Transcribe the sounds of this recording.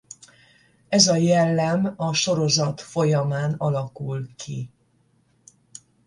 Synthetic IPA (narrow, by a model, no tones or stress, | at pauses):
ɛzɒjɛlːɛmɒʃo̞ɾo̞zɒt̪fo̞jɒmaːnɒlɒkulkʰi